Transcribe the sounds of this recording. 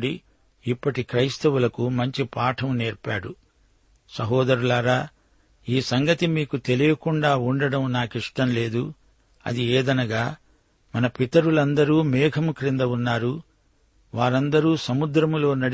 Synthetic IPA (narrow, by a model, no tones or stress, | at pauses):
ɽi | ipːɐʈikɾɐjst̪ɐwulɐkumɐɲt͡ʃipaːʈʰɐmneːɾpaːɽu | sɐɦɔːd̪ɐɾulaːɾaː | iːsɐŋɡɐt̪imiːkut̪e̞lijɐkuɳɖaːuɳɖɐɽɐmnaːkiʂʈɐmle̞ːd̪u | ɐ̰d̪ieːd̪ɐnɐɡaː | mɐnɐpit̪ɐɾulɐnd̪ɐɾuːmɛːɡʰʱɐmukɾind̪ɐunːaːɾu | ʋaːɾɐnd̪ɐɾuːsɐmud̪ɾɐmlo̞ːnɐɽ